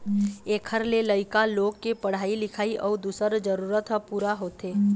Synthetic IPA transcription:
eːkʰəɾleləɪkaloːɡ̚kepəɽ̤aːilɪkʰaːiʔɔːɾd̪uːsəɾd͡ʒəɾuːɾət̪ɦəpuːɾaɦoːt̪eː

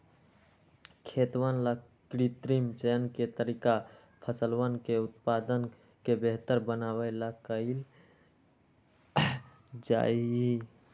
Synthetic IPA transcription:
kʰet̪wanla | kɾit̪ɾimt͡ʃəənket̪əɾika | pʰəsələnkeut̪̚pad̪ən | kebeɦt̪əɾbənawəlakəɪl | d͡ʒa̰ji

